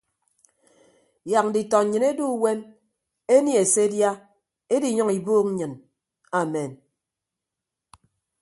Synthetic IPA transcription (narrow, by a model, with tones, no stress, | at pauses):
ja˨k̚n̩˨di˨tɔ˨ɲɨ˨ne˦du˦we˦n | e˦nji˦e˨se˦dja˦ | e˦di˨ɲɔ˦ŋi˨boː˦kŋ˦ɲɨ˨n | a˨me˨n